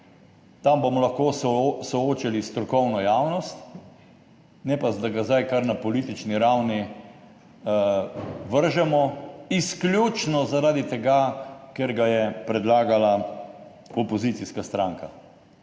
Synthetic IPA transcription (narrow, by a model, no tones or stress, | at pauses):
t̪ambomɔlaxkossɔoːt͡ʃalist̪ɾɔkɔwnɔjawnɔst̪ | nɛpad̪aɡazd̪ajkaɾnapɔliːt̪it͡ʃniɾawni | ʋəɾʒɛmɔisklʲjut͡ʃnɔzaɾad̪it̪ɛɡakɛɾɡajɛpɾɛd̪laːɡala | ɔpɔzit̪siskast̪ɾaŋka